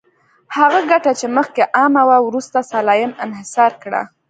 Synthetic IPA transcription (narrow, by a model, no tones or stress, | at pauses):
haɣaɡaʈat͡ʃeməxkeʔɑmawawɾust̪asalɑjɪmɪnhɪsɑɾkɽa̰